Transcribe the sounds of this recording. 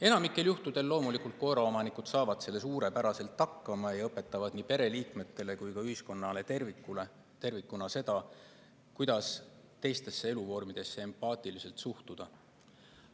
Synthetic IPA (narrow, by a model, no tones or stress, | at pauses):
e̞nɑmikːˑe̞ljuht̪ud̪̥e̞lːo̞ːmulikˑult̪̚ko̞eɾɑo̞mɑnikud̪̥sɑːvɑd̪̥se̞lːe̞s̬uːɾe̞pæɾɑse̞lt̪ːɑkːɑmɑjɑɤpːˑe̞t̪ːˑɑvɑd̪̥nipe̞ɾe̞liːkme̞t̪ːe̞le̞kujkɑyhisko̞nːɑle̞t̪rikːule | t̪e̞rvikːˑunɑse̞d̪̥ɑ | kujd̪̥ɑs | t̪e̞jst̪e̞sːee̞luvo̞rmid̪̥e̞sːe̞empɑːt̪ˑilise̞lt̪suht̪ud̪̥ɑ